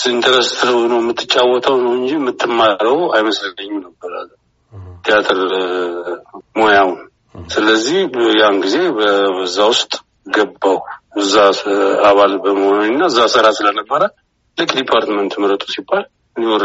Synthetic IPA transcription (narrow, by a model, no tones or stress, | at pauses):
sɨnt̪ʰəɾəst̪ʰɨɾɨbnəwmːɨt̪ʰːɨt͡ʃʼːawːɔt̪ʰawnəwɨnd͡ʒimːɨt̪ʰːɨmːaɾəɡoajməslənəɲːunəbːəɾa̰lː | t̪ʰijat̪ʰəɾ | mo̞jawʊn | sɨləzːihjanɡize̞bəbəzːawʊst̪ʼ | ɡəbːawɨzːaaβalbəməhonəɲɨnːaɨzːasəɾasɨlənəbːəɾə | lɨkʼd̪ipʰaɾt̪mənt̪məɾət̪ʼusibːal | ɨnːiwɔɾ